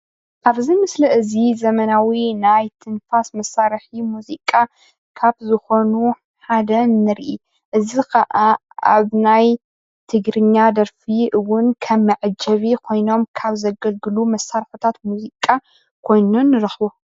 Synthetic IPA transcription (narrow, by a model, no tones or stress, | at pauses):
ʔaβzimɨslɐʔɨzizɐmɐnawinajt̪ʰɨnfasmɐsaɾħimuzikʼːa | kʰaβzɨxo̞nu | ħad̪ɐnːɨɾʔi | ʔɨzixɐʔa | a̰βnaj | t̪ʰɨɡɾɨɲːad̪ɐɾfiʔɨwʊnkʰɐmːɨʕɨd͡ʒɐβikʰo̞jno̞mkʰaβzɐɡɐlɡɨlumɐsːaɾħut̪ʰat̪muzikʼa | kʰo̞jnunːɨɾɐxbu